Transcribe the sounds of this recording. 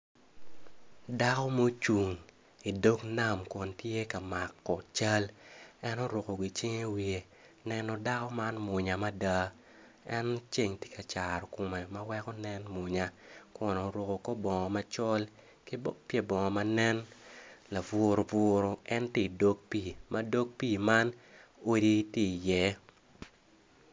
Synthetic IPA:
da˦kɔ˦mo˦t͡ʃu˨ŋ | i˨do˦kna˦˨mkɔ˨ntje˦ka˨ma˨kːɔ˨t͡ʃa˦lɛ˦no˦ɾʊ˨ko˨ɡi˨t͡ʃe˦ŋe˦wie˨ | nɛ˦nɔ˦da˦kɔ˦ma˦nmʊ˨ɲa˨ma˦da˦ | ɛ˦nt͡ʃe˦˨ŋte̥˦ka˨t͡ʃa˨ɾɔ˨ko˨me˨ma˦wɛ˦kɔ˦nɛ˦nmʊ˨ɲa˨ko˨no˨ɾʊ˨ko˨ko˦bɔ˨ŋɔ˨ma˦t͡ʃɔ˦l | kɪ˦bo˦pje˦bɔ˨ŋɔ˨ma˦nɛ˦nla˨vʊ˨ɾo˨vʊɾo˨ɛ˦nte˦˨do˦k̚pi˦˨mɐ˦do˦k̚pi˦ma˦no˦di˦tje˦˨jɛ˦

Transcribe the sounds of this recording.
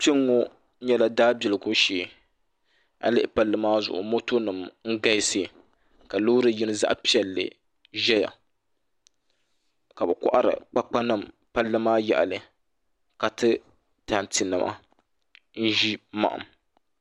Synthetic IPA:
pi˦ŋːo˦ | ɲɛ˦la˦daː˦bi˨lɨ˨ɡʊ˦ʃeː˨ | a̰˨lɨ˦ʔɪ˦˨pa˦lːɨ˦maː˦zʊ̰˨ʔʊ̰˨mo˦to˦nɨ˨mŋ̩˦ɡa˦se˦˨ | ka˨lo˦ɾɨ˦ji˦nɨ˦za̰˦ʔpi˦ɛ˨lːɨ̰˨ | ʒɛ˦ja̰˨ | ka˨bɨ˨kʊ̰˦ʔa˦ɾɨ̰˨k͡pa˦k͡pa˦nɨ˨m | pa˦lːɨ˦maː˦jɛ̰˨ʔa̰˨lɨ˨ | ka˨tɨ˦ | ta˨n˨ti˨nɨ̰˨mʔa̰˦ | n̩˦ʒi˦ma̰˨ʔa̰˨m

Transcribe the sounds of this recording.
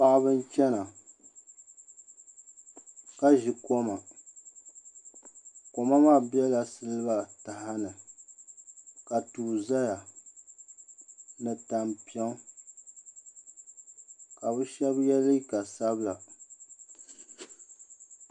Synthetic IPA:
pa˦˨ʔbɨ˦n˦t͡ʃɛ˦na˨ | ka˦ʒi˨ko˦ma˨ | ko˨ma˦maː˦˨bi˦ɛ˦la˨sɨ˦lɨ˦ba˨ta˨ha˦nɨ˨ | ka˨tuː˨za˦ja˨ | nɨ˨ta˨mpi˦ɛ˦ | ka˨bɨ˦ʃɛ˦bjɛ˦lɨ˦ka˨sa˦bla˨

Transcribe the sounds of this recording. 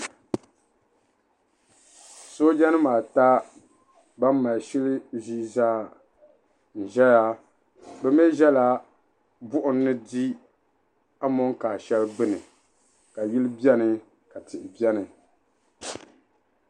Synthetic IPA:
so˦d͡ʒɛ˦nɨ˦maː˨ta˦ | ba˦mː˦a˨lʃɪ˦lɨ˦ʒi˦zaː˦ | n̩˨ʒɛ˦ja˦ | bɛ˦mɛ˦ʒɛ˦la˨ | bʊ˦ʔʊ˨nː˦ɨ˦di˦ | a˦mɔ˦ŋka˨ʃɛ˦lbɨ˦nɨ̰˨ | ka˨ji˦lɨ˦bjɛ˦nɨ˨ | ka˨tɪ˨ʔɪ˨bi˦ɛ˦nɨ˨

